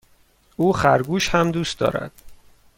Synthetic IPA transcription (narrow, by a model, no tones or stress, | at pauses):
uːxæɾɡuːʃhæmd̪uːst̪d̪ɒ̰ːɾæ̰d̪̥